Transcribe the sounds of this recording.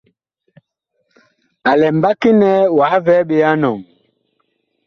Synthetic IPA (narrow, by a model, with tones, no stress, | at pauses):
a˨lɛ˨mba˦ki˦nɛ˦wa˨˦vɛ˨˦ɓe˨ja˦nɔ˨ŋ